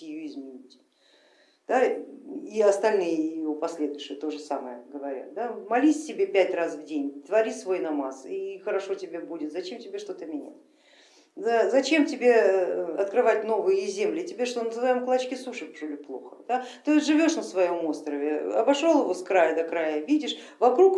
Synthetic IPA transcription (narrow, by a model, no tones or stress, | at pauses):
ɪjuɪzmʲɪnʲitʲ | d̪̥a | iɐst̪ɐlʲnɨjəɪʊpɐsʲlʲe̞d̪ʊjɕɪjət̪o̞ʐɨsaməjəɡəvɐɾʲa̰t̪̚d̪amɐlʲisʲtʲɪbʲe̞pʲætʲrasvdʲenʲt̪vɐɾʲisvo̞jnɐmasixəɾɐʂo̞tʲɪbʲe̞budʲɪt̪zɐt͡ɕe̞mtʲɪbʲe̞ʂt̪o̞t̪əmʲɪnʲæ̰tʲ | zazɐt͡ɕe̞mtʲɪbʲe̞ɐt̪kɾɨvatʲno̞vɨjəɪzʲemlʲɪtʲɪbʲeʂt̪onəzɨvajmklˠɐt͡ɕkʲɪsuʂɨpʐʊlʲʊplˠo̞̰xə̥d̪̥at̪oʐɨvʲo̞ʂnəsvɐjo̞most̪ɾəvʲɪɐbɐʂo̞lˠɪvo̞skɾajəd̪ɐkɾajəvʲidʲɪʂvɐkɾuk